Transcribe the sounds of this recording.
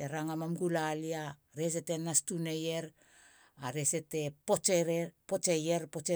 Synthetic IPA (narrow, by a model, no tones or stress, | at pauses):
eɾaŋamamɡulalia | ɾe̞s̬e̞te̞nastune̞je̞ɾ | aɾe̞se̞te̞po̞t͡ʃeɾepo̞t͡ʃe̞je̞ɾpo̞t͡ʃe